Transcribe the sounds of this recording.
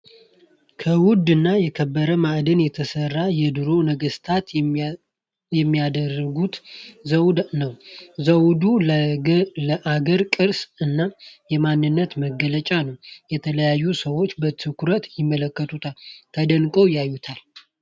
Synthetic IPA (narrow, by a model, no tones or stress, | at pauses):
kʰəwʊd̪ːɨnːajɛkʰəbːəɾəmaʔd̪ənjɛt̪ʰəsərːajɛd̪ɨɾo̞nəɡəst̪ʰat̪ | jɛmːiad̪ərəɡut̪zəwnəwzəwd̪u | ləʔaɡəɾkʼɨɾsɨnːajɛmanːɨnːət̪məɡələt͡ʃʼanəwjɛt̪ʰələjajːusəwo̞t͡ʃːbət̪ʰɨkuɾət̪jɪmːələkːət̪ʰut̪ʰalk̪ʰəd̪ənkʼəwjajːut̪ʰal